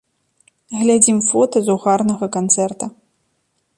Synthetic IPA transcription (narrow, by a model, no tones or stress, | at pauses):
ɣlʲad͡zʲimfɔt̪ɐzuɣarnɐɣɐkant̪sɛrt̪ɐ